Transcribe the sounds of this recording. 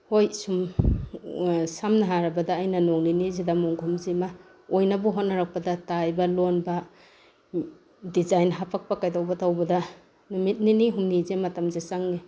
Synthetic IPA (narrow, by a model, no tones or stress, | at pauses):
hojsum | samnaɦaɾɐbɐdaːjnɐnoŋninizedamoŋɡʱumzima | ojnabuɦotnaɾak̚padatajbalonba | dizajnɦapʰak̚pakajdawbatawbɐda | numit̚niniɦumnizematamzesaŋni